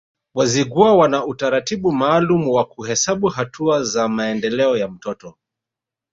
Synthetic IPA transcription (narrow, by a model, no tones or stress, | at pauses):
waziɡuawanautaɾatiɓumaːlumuwakuhɛsaɓuɦatʰuazamaɛndɛlɛɔjam̩tɔtɔ